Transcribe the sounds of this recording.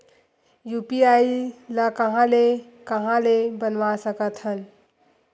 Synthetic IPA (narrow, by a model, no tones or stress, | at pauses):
jupiailəkəɦãle | kəɦãlebənʋasəkət̪ɦən